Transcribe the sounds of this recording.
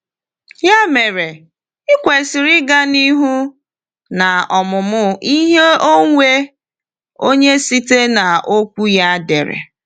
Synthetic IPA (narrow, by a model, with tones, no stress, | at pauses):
ja˦me˨ɾe˨ | ɪ˦kʷe˨sɪ˨ɾɪ˦ɡa˦ni˦ɦu˦ | na˨ɔ˨mʊ˨mʊ˦i˦ɦe˦o˦ŋʷe˦ | o˦ɲe˦si˦te˦na˨o˦kʷu˦ja˦de˨ɾḛ˨